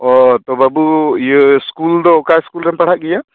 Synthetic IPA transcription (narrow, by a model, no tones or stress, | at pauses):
ɔt̪ɔbabujəskuld̪ɔkajskulɾɛmpaɽ̤aʔ̚ɡɛja